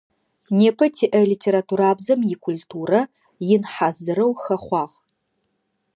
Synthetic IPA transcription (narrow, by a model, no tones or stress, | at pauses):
neːpʰɐtʰiːʔɐliːtʰeːɾatʰuːɾaːbzɐmjɪkʷʰultʰuːrɐ | jɪnħazɨɾɐwxɐχʷɑːʁ